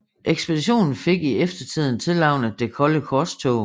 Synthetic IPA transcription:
ʔeɡ̥sb̥ed̥iɕo̝̰ːnn̩fe̝ɡ̥iefd̥ɐt͡sʰið̞̰ˠn̩t͡sʰe̝lɑ̈ʊ̰nəd̥e̝kʰɒ̽ləkʰɒst͡sʰoʊ

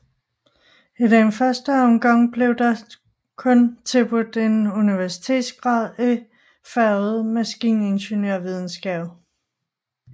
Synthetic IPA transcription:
ed̥enfɶɐsd̥əɒ̽mɡ̥ɑ̈ŋ̰b̥le̝ʊd̥ɑ̈ | kʰɔ̽nt͡sʰe̝lb̥ud̥e̝nuniʋæɐsi̥t͡sʰe̝̰ːd̥sɡ̥ʁɑ̈ːð̰ˠi | fæð̩ˠmæsɡ̥ḭːne̝nɕenjøɐ̰ʋið̞ˠn̩sɡ̥ɛ̰ːb̥ˠ

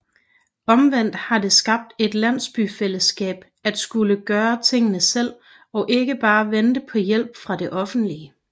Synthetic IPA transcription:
ɒ̽mʋen̰d̥hɑ̈d̥e̝sɡ̥ɑ̈b̥̚d̥e̝d̥læn̰sb̥yfel̰əsɡ̥ɛ̰ːb̥ | æd̥sɡ̥uləɡ̥ɶːɐt͡sʰe̝ŋ̰ənəsel̰ | ɒ̽ʔe̝ɡ̥əb̥ɑ̈ːʋend̥əpʰɒ̽jel̰b̥fʁɑ̈de̝ʔɒ̽fn̩d̥liə

